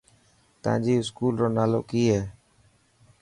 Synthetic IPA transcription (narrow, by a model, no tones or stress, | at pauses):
t̪ã̰ːd͡ʒiːɪskuːlɾoːnaːlo̰ːkiːɦɛː